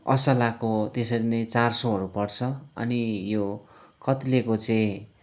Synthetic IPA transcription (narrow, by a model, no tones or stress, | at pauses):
ʌ̰sʌlakot̪esʌɾinʌjt͡sarsoɦʌɾupʌrt͡sʰʌʌ̰nijokʌt̪lekot͡sʌĩ